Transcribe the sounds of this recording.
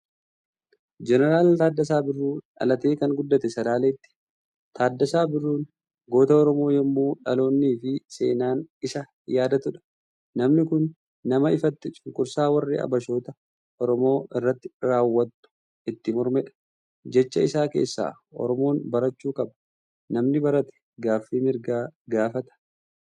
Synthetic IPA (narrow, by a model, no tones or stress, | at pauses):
d͡ʒɛnɛɾaːlt̪aːd̪ːɐsaːbɪrːuːᶑɐ̰lɐt̪e̞ːkɐŋɡʊd̪ːɐt̪ɛsɐlaːleːt̪ːɪ̥ | t̪ʰaːd̪ːɐsaːbɪrːuːn | ɡo̞ːt̪ɐɔɾɔmo̞ːjɛmːuːᶑɐlo̞ːnːiːfɪse̞̰ːnaːnɪsɐ | jaːd̪ɐt̪ʊᶑɐ̥ | nɐmnɪkʊnː | ɐmɐɪfɐt̪ːɪt͡ʃʼɪŋkʼʊɾsaːwɐrːḭːɐ̰bɐʃo̞ːt̪ɐ | ɔɾɔmo̞ːɪrːɐt̪ːɪ̥ɾaːwːɐt̪ːʊ̥ | ɪt̪ːɪmɔɾmɛᶑɐ̥ | d͡ʒɛt͡ʃːɐɪsaːke̞̰ːsːa̰ː | ɔ̰ɾɔmo̞ːnbɐɾɐt͡ʃːuːkʼɐbɐ̥ | nɐmnɪbɐɾɐt̪ɛ̥ | ɡaːfːiːmɪɾɡaːɡaːfɐt̪ɐ̥